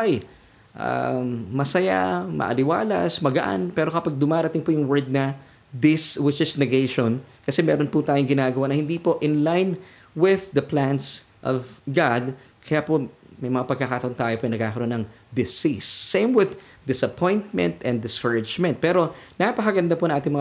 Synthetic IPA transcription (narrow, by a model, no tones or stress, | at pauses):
aj | ʔa̰mɐsɐja̰mʔɐ̰ʔɐ̰lɪwa̰ːlɐ̰smɐɡɐʔa̰npɛːɾo̞kɐpaɡ̚d̪ʊmaːɾɐt̪ɪŋpʊjʊŋwɛɹd̪̚nɐ | d̪ɪswɪt͡ʃɪsnɛɡejʃonkɐsɛmɛːɾonput̪aːjoŋɡɪnaːɡɐwanɐhɪnd̪iːpo̞ʔɪnlajn | wɪððɐplans | ʔɔvɡad̪̚ | kʰɐjapo | mɐjmɐŋapɐɡ̚kakaːt̪ɐʔont̪aːjopoʔɐjnɐɡkaːkɐɾoonɐŋ | d̪ɪsisːejmwɪð | d̪ɪsɐpʰõ̞jnt̪̚mɛ̰̃nt̪ɛnd̪ɪskəɹɪd͡ʒmɛ̃nt̪̚pɛːɾo̞napɐkɐɡɐnd̪apʊɐŋʔaːt̪ɪŋmɐ